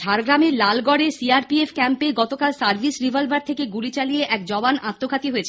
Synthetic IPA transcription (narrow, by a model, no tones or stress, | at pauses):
ʃʰaɾɡɾamelalɡɔɽesiaɾpiefʰkɛmpeɡɔt̪okalsaɾbʱisɾibʱalbaɾt̪ʰekeɡulit͡ɕalijeʔɛk̚d͡ʑɔbanat̪ːokʰat̪iɦoet͡ɕʰe̥